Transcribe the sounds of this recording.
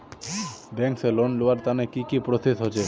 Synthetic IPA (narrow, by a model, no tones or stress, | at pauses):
bɛŋkselonloaɾt̪anekikipɾot̪it̪ɦot͡ɕʰe